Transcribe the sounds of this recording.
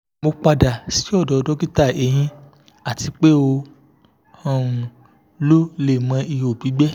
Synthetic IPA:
mo˧k͡pa˧da˨si˨˦ɔ˦˨dɔ˨˧dɔ˦ɡi˦ta˦˨e˨j̃ĩ˧ | a˦˨ti˧k͡pe˦o˧ | ã˧˨ũ˧ | lo˦le˦˨mã˧i˧o˨bi˨˦ɡ͡bɛ˦

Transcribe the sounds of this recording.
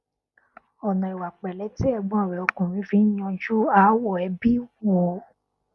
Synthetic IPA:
ɔ˨nã˨i˨wa˨k͡pɛ˨lɛ˨˦ti˦ɛ˧bũ˦a˦˨ɾɛ˨o˧kũ˨ɾ̃ĩ˨˦fi˧˦ɲɔ̃˧d͡ʒu˦a˨˦wɔ˦˨ɛ˨˦bi˦wo˨˦

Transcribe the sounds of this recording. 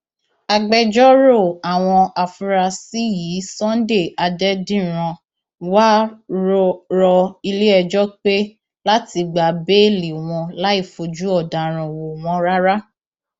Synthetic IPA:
a˧ɡ͡bɛ˧d͡ʒɔ˦ɾo˦˨a˨w̃ɔ̃˧a˨fu˧˦ɾa˧si˦ji˨˦sɔ̃˦n˦de˦˨a˧dɛ˦dĩ˦ɾ̃ã˧ | wa˦ɾɾɔ˧i˧le˦ɛ˧d͡ʒɔ˦k͡pe˦ | la˦ti˧ɡ͡ba˨be˦li˨w̃ɔ̃˧la˦i˦˨fo˧d͡ʒu˦ɔ˦˨da˨ɾ̃ã˨wo˨w̃ɔ̃˨˧˦ɾa˦ɾa˦

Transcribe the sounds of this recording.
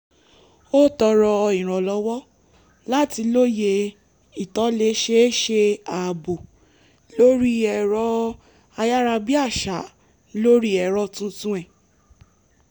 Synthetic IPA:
o˦tɔ˧ɾɔ˧ĩ˨ɾ̃ɔ̃˨lɔ˨˦wɔ˦ | la˦ti˧lo˦je˧ | i˨tɔ˨˦le˦ʃe˦ʃe˧a˨bo˨ | lo˦ɾi˦ɛ˧˨ɾɔ˦ | a˧ja˦ɾa˧bi˦a˦˨ʃa˨˦ | lo˦ɾi˦ɛ˧ɾɔ˦tũ˦tũ˦ɛ˦˨

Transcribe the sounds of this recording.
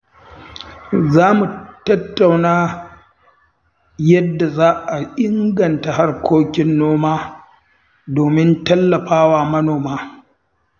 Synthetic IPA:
zaː˦mu˨tɐ˦tːa˨wnaː˦ | jɐ˦dːa˨zaː˦ʔa˨ʔɪ˦ŋɡɐ˨nta˨ɦa˦rkʷʰoː˦kʲɪ˦nːoː˦maː˦ | doː˨mɪ˦ntɐ˦lːɐ˨ɸaː˦waː˨mɐ˦noː˨maː˦

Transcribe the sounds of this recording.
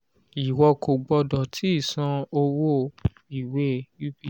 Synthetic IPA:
i˨wɔ˧ko˨ɡ͡bɔ˧dɔ˨tʰi˨˦i˦˨sã˧o˧wo˦˨ | i˨we˦˨ju˦bi˦˨

